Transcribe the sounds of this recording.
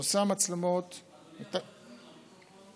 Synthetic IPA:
samat͡slemot̪ | t̪a

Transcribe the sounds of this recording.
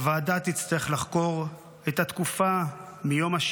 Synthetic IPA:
vaadat̪it͡st̪aeχlaχko̞ʁ | ethat̪kufamijo̞maʃ

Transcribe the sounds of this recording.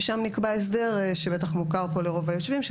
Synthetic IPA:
ʃamnikbaes̬d̪e̞ʁeʃebe̞t̪aχmukaʁpo̞leʁo̞vajo̞ʃvimʃ

